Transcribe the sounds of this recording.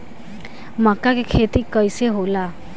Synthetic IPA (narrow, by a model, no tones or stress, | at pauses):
makakekʰet̪ikəjseɦola